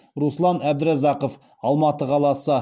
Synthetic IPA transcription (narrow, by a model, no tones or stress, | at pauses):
ɾuslˠɑnæbd̪ɪɾæzɑqof | ɑlˠmɑt̪əqʰɑlˠɑsə